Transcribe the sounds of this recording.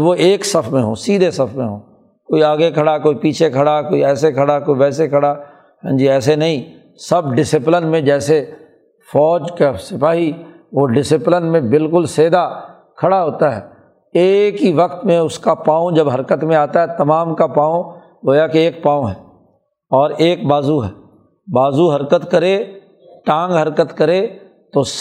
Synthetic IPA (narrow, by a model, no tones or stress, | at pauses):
ʋoʔeːksɐpʰmẽɦo̰ːsiːd̪ʱesɐpʰmẽɦoː | koːiaːɡekʰɐɽakoːipiːt͡ʃʰekʰɐɽakoːiɛːsekʰɐɽakoːiʋɛːsekʰɐɽa | ɦãːd͡ʒiɛːsenɐɦĩ | sɐb̚ɖɪsɪplɪnmẽd͡ʒɛːse | fɔːd͡ʒkasɪpaːɦi | ʋoɖɪsɪplɪnmẽbɪlkʊlseːd̪a | kʰɐɽaɦoːt̪aɦɛː | eːkɦiʋɐkt̪mẽʊskapãːõd͡ʒɐbɦɐɾkət̪mẽaːt̪aɦɛt̪ɐmaːmkapãːõ | ɡoːjakeeːk̚pãːõɦɛː | ɔːɾeːk̚baːzuɦɛː | baːzuɦɐɾkət̪kɐɾe | ʈãːŋɡɦɐɾkət̪kɐɾe | t̪os